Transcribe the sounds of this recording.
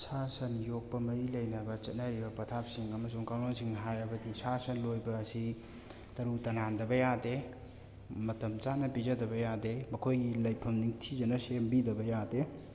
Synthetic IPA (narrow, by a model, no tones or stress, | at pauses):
sasɐnjok̚pɐmɐɾilɐjnɐbɐt͡ʃɐt̚nɐɾibɐpɐt̪ʰap̚siŋɐmɐs̬uŋkawnonsiŋɦajɾɐbɐdisasɐnlojbɐːsi | tɐɾutɐnandɐbɐjade | mɐtɐmt͡ʃanɐpizɐdɐbɐjademɐkʰojɡilɐjpʰɐmniŋtʰizɐnɐsembidɐbɐjade